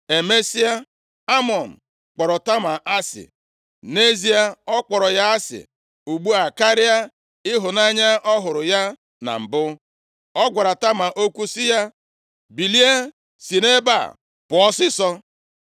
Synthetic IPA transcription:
e˨me˦si˦a˦ | a˦mɔ˨n̩˨ | k͡pɔ˨ɾɔ˨ta˦ma˨ʔa˦sɪ̰˨ | ne˦zi˦a˦ɔ˦k͡pɔ˨ɾɔ˨ja˦a˦sɪ̰˨ | u˨ɡ͡bu˦a˨ka˦ɾi˦a˦ | ɪ˦ɦʊ˨na˦ɲa˦ʔɔ˦ɦʊ˨ɾʊ˨ja˦ | na̰˨m̩˨bʊ˦ | ɔ˦ɡʷa˨ɾa˨ta˦ma˨ʔo˦kʷu˦si˦ja˦ | bi˨li˦e˦ | si˨ne˦ba̰˨ | pʊ˨ɔ˦sɪ˦sɔ˦

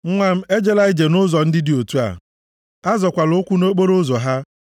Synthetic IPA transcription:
ŋ̩˦ŋʷa˦m̩˦e˦d͡ʒe˦la˦ɪ˦d͡ʒe˨nʊ˦zɔ˨n̩˦dɪ˦dɪ˨˦o˨tu˦a̰˨ | a˦zɔ˨kʷa˨lʊ˦kʷu˦no˦k͡po˦ɾo˦zɔ˨ɦa˦

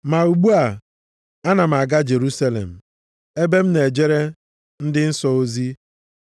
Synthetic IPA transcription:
ma˨u˨ɡ͡bu˦a˨ | a˦na˨m̩˨a˨ɡa˦d͡ʒe˨ɾu˦sa˦lḛ˨m̩˨ | e˦be˦m̩˦ne˨d͡ʒe˦ɾe˦ | n̩˦dɪ˦n̩˦sɔ˨o˦zi˦

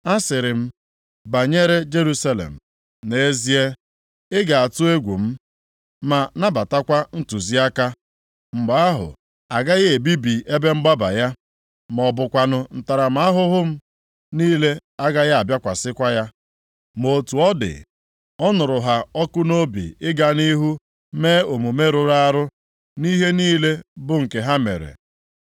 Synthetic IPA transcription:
a˦sɪ˨ɾɪ˨m̩˦ | ba˨ɲe˦ɾe˦d͡ʒe˦ɾu˦sa˦lḛ˨m̩˨ | ne˦e˦zi˦e˦ | ɪ˦ɡa˨a˨tʊ˦e˦ɡʷu˨m̩˦ | ma˨na˦ba˨ta˦kʷa˦n̩˦tu˨zi˦a˦ka˦ | ŋ͡m̩˨ɡ͡ba˨˦a˦ɦʊ̰˨ | a˨ɡa˦ɣe˨bi˦bi˨ʔe˦be˦m̩˦ɡ͡ba˦ba̰˨ja˦ | m˨ɔ˨bʊ˨kʷa˨nʊ˦n̩˨ta˨ɾa˨m̩˨a˦ɦʊ˦ɦʊ˦m̩˦ | niː˦le˦a˦ɡa˦ɣa˦a˨bja˦kʷa˨sɪ˦kʷa˦ja˦ | mo˨tu˨ɔ˦dɪ̰˨ | ɔ˦nʊ˨ɾʊ˨ɦa˨ɔ˦kʊ˦no˦bḭ˨ɪ˦ɡa˦ni˦ɦu˦ | meː˦o˨mu˨me˦ɾʊ˨ɾa˦a˦ɾʊ˦ | ni˦ɦe˦niː˦le˦bʊ˨ŋ̩˨ke˨ɦa˦mḛ˨ɾḛ˨

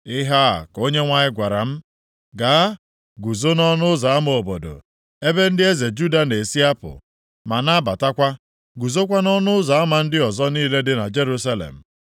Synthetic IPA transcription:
ɪ˦ɦa˦˨ko˦ɲe˦ŋʷa˦ɲɪ˦ɡʷa˨ɾa̰˨m̩˦ | ɡa˨˦ | ɡu˨zo˦nɔ˦nʊ˦ʊ˦za˨a˦m˦o˨bo˨do̰˨ | e˦be˦n̩˦dɪ˦e˦ze˨d͡ʒu˦da˨ne˨si˦a˦pʊ̰˨ | ma˨na˦ba˨ta˦kʷa˦ | ɡu˨zo˦k̬ʷa˦nɔ˦nʊ˦ʊ˦za˨a˦ma˨n̩˦dɪ˦ɔ˨zɔ˦niː˦le˦dɪ˦na˨d͡ʒe˦ɾu˦s̬a˦lḛ˨m̩˨

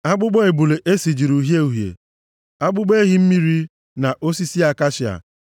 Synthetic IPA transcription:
a˦ɡ͡bʊ˦ɡ͡bɔ˦e˨bu˨le˨ʔe˦si˨d͡ʒi˨ɾu˨ɦje˦u˨ɦjḛ˨ | a˦ɡ͡bʊ˦ɡ͡be˦ɦi˦m̩˦mi˦ɾi˦ | na˨ʔo˦si˦si˦a˨ka˦ʃɪ˨a̰˨

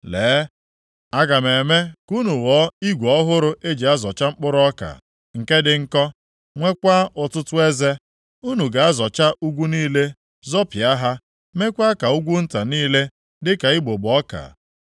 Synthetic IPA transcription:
leː˨˦ | a˦ɡa˨me˨me˦ku˦nu˨wɔ˨˦i˦ɡʷɔ˦ɦʊ˦ɾʊ˦ʔe˦d͡ʒi˨a˦zɔ˨t͡ʃa˦ŋ͡m̩˦k͡pʊ˦ɾʊ˦ɔ˦ka̰˨ | ŋ̩˨ke˦dɪ˨ŋ̩˦kɔ˦ | ŋʷe˦kʷa˦ʔʊ˨tʊ˦tʊ˦e˦ze˦ | u˦nu˨ɡa˨a˦zɔ˨t͡ʃa˦ʔu˦ɡʷu˦niː˦le˦ | zɔ˦pja˦ɦa˦ | me˦kʷa˦ka˨u˦ɡʷu˦n̩˦ta˨niː˦le˦ | dɪ˦ka˨i˦ɡ͡bo˨bɔ˦ka̰˨

